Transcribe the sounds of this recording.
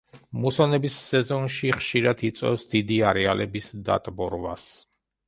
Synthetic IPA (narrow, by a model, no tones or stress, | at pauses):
musɔnɛbisːɛzɔnʃiχʃiɾat̪ʰit̪sʼwɛ̰fsd̪id̪iaɾɛalɛbisd̪a̰t̪ʼbɔɾva̰s